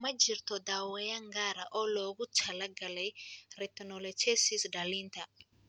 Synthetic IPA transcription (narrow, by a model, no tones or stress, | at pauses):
mad͡ʒiɾt̪ɔd̪awɛjaŋɡaɾaʔɔloɡut͡ʃalaɡalɛɾɛt̪nɔlɛt͡ʃesisdalint̪a